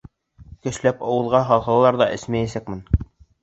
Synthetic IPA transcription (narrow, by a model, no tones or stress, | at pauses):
kɵ̆ʃlæpɑwɤ̆ðˠʁɑɦɑlˠχɑ̆lˠlˠɑɾðɑʔɘ̆smæjæsækmɘ̆n